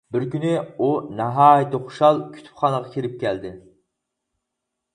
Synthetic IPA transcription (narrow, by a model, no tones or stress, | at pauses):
bɪɾkʲynɪunɑɦɑːjit̪ɨχʊ̥ʃɑlˠkʲʰy̥t̪ʰy̥pχɑnəʁɑkʲʰeɾɪp̚kʲʰɛld̪ɪ